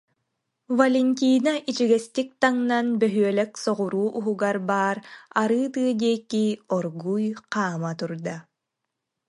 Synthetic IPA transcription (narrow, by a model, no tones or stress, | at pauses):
vɐlʲɛnʲt̪̬ʲiːnaʔit͡ɕiɡɛst̪ik̚t̪aŋnanbœɦyœlɛksɔʁuɾuːʔuɦuɡaɾbaːɾaɾɯːt̪ɯɐd̪iɛkːiɔɾɡujqaːmat̪uɾd̪a